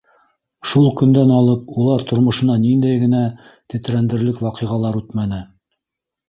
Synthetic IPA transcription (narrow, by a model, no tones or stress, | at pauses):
ʃulˠkɵ̆nd̪ænɑlˠɤpulˠɑɾt̪ŏɾmŏʃɤ̆nɑnind̪æjɡɘ̆næ | t̪ɘ̆t̪ɾænd̪ɘ̆ɾlɘkwɑqɤ̆jʁɑlˠɑɾʉt̪mænɘ